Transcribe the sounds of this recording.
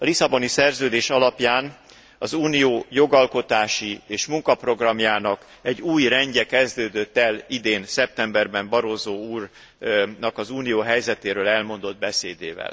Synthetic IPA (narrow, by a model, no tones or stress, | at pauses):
ɒlisɒbo̞nisɛrzøːd̪eːʃɒlɒpjaːn | ɒzuːnijoːjo̞ɡɒlko̞t̪aːʃieːʃmuŋkɒpro̞ɡrɒmjaːnɒk | ɛɟːuːjrɛɲɟɛkɛzd̪øːd̪øt̪ːɛlid̪eːnsɛp̚t̪ɛmbɛrbɛmbɒɾozoːuːr | nɒkɒzuːnijoːɦɛjzɛt̪eːɾøːlɛlmo̞nd̪o̞d̪̚bɛseːd̪eːvɛ̰l